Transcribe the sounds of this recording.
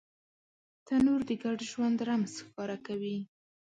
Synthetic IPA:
t̪anoɾd̪əɡaɖʒwand̪ɾamsxkɑɾakawi

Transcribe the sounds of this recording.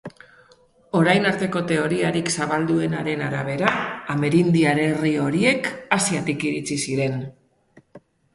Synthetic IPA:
o̞ɾajnaɾt̪e̞ko̞t̪e̞o̞ɾiaɾiksaβald̪ue̞naɾe̞naɾaβ̞e̞ɾaːme̞ɾind̪iaɾe̞rio̞ɾie̞kasiat̪ikiɾit͡sisiɾe̞n

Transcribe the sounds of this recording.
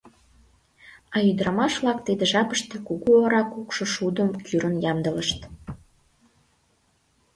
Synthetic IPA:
ɑyd̪ɾɑmɑʃβlɑk̚t̪id̪eʒɑpəʃt̪ĕkuɣuoɾɑkukʃoʃud̪əmkʰyɾənjɑmd̪ələʃt̪

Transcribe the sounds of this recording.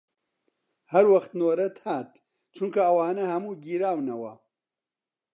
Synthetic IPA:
hɐɾwɐxt̪noːɾɐt̪ʰhaːt̪ | t͡ʃʰuŋkɐɐwaːnɐhɐmuːɡiːɾaːwnɐwɐ̰

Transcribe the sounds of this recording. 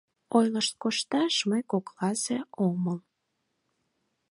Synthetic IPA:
ojləʃt̪̚koʃt̪ɑʃməjkoklɑzeoməl

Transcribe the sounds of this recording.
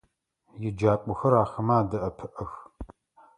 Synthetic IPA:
jɪd͡ʒaːkʷʼʊxɐɾaːxɐmaːdɐʔɐpʰɨʔɐx

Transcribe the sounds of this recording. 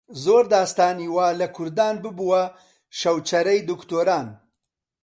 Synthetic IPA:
zoɾd̪ɑːst̪ɑːniwɑːlɐkʰʊɾd̪ɑːnbɨbuwa | ʃɐwt͡ʃɐɾɐjd̪ʊkt̪oːɾɑːn

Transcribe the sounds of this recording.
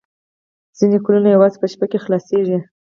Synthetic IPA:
z̥inekolunajawɑzepəʃpakexlɑseʒi

